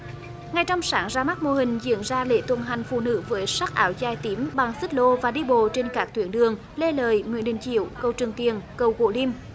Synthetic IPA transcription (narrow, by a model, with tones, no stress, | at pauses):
ŋa˨˩jt͡ɕɔ˧wŋ͡msaː˨˦nzaː˧ma˦˥t̚mo˧˨ɦï˨˩ŋ̟zḭ˧˥ənzaː˧lḛ˧˥t̪wə˨˩nɦa˨˩jŋ̟fṵ˧˨nɨ̰˧˥vəː˨˦jsa˦˥k̚ʔaː˨˦wzaː˨˧˩jt̪i˨˦mɓa˨˩ŋsɨ˦˥t̚lo˧vaː˨˩ɗi˧ɓo˧˨t͡ɕe˧nkaː˦˥k̚t̪ʰwi˨˩˦ənɗɨ˨˩əŋ | le˧ləː˨˩jmwḭ˧˥ənɗï˧˨˩ŋ̟t͡ɕḭ˧˨əwkə˧˩wt͡ɕɨ˨˩əŋt̪i˨˩ənkə˨˧˩wɣo̰˧˩li˧m